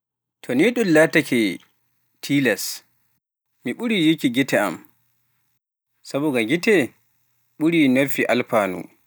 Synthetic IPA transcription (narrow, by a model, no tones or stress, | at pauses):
tʰɔniɗunlaːtakɛ | tʰilas | miɓuɾijikiɡitɛa̰m | sabɔɡaɡitɛ | ɓuɾiːnofiʔalpaːnṵ